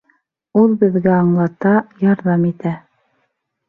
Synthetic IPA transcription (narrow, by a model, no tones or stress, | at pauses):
ulˠbɘ̆ðɡæɑɴlˠɑt̪ɑjɑɾðɑmit̪æ